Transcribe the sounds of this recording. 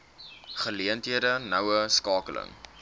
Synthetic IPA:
χəliəntɦiədənɐwəskɑːkələ̰ŋ

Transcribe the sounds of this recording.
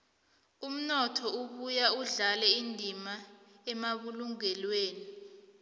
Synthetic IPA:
um̩nɔtʰɔuɓujauɮalɛindʱima | ɛmaɓuluŋɛlweːni

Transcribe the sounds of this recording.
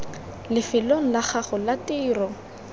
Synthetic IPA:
lɪfɪloŋ̩laχaχʊlatɪːrɔ

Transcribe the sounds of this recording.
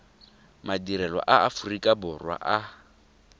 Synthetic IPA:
madiɾɛlɔ̰ʔaafurikʼabʊrwa̰ʔa

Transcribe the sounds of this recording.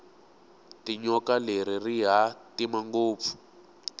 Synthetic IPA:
tiɲɔkaleɾiriɦatimaŋɡoːp̪fu̥

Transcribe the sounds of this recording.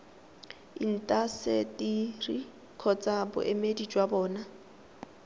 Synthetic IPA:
ḭn̩tʼasetʼiri | kʰɔt͡sʼabʊ̰ʔemedid͡ʒʼwabɔːna

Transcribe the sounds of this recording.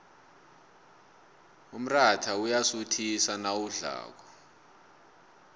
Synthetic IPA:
um̩ratʰaujasutʰisanawuɮa̰ːk̬ɔ

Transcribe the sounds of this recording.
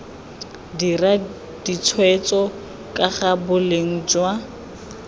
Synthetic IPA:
dira | d̥it͡sʰwɛt͡sɔ | kʼaχabʊleŋ̩d͡ʒwa

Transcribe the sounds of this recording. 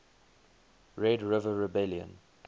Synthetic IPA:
ɹɛdɹɪvəɹɛbɛljə̰̃n

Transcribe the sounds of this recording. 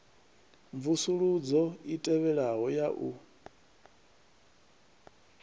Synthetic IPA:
ɱvusuɺud͡zɔitʼɛβɛɺaɦɔjaʔu

